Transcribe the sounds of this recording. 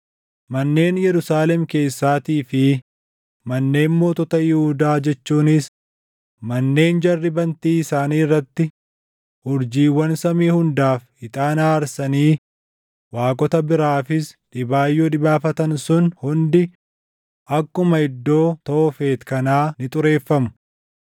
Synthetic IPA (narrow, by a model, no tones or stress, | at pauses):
mɐnːe̞ːnjɛɾʊsaːlɛmke̞ːsːaːt̪iːfɪ | mɐnːe̞ːmmo̞ːt̪ɔt̪ɐjɪhʊd̪aːd͡ʒɛt͡ʃːuːnɪs | mɐnːe̞ːnd͡ʒɐrːɪbɐnt̪iːɪsaːniːɪrːɐt̪ːɪ | ʊɾd͡ʒiːwːɐnsɐmiːhʊnd̪aːf | ɪt̪ʼaːnaːɐɾsɐniː | waːkʼɔt̪ɐbɪɾaːfɪsᶑɪbaːjːoːᶑɪbaːfɐt̪ɐnsʊnhʊnd̪ɪ | ʔɐkːʊmɐɪd̪ːo̞ːt̪ɐɔfe̞ːt̪kɐnaːnɪt̪ʼʊɾe̞ːfːɐmʊ̥